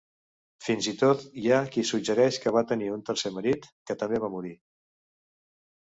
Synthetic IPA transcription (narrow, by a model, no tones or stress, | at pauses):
finzit̪ot̪jakisuɡd͡ʒəɾɛʃkəβat̪əniunt̪əɾseməɾit̪kət̪əmbeβamuɾi